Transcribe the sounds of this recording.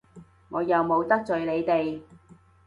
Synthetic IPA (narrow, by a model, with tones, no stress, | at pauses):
ŋɔː˨˧jɐ˨wmo˨˧wt̪ɐ˥k̚t͡sɵ˨ɥle˨˧jt̪e˨j